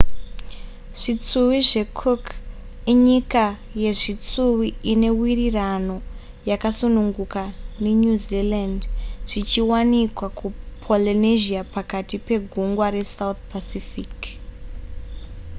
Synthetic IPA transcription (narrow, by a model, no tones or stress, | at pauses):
ʐ̥it͡suwiʐe̞kʰok | iɲika | je̞ʐit͡suwiine̞wirirano̞ | jakasunuŋɡukane̞ɲuzilandʐ̥it͡ʃiwanikwakupʰoliniʒiapakatipe̞ɡʱuŋɡwaɾe̞saut̚pasifik